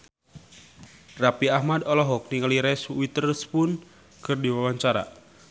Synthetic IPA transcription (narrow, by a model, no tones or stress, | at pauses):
rapiahmad̪ɔlɔɦɔk̚niŋaliɾɛswit̪ərspʊn | kɨrdiwawaɲt͡ʃaɾa̰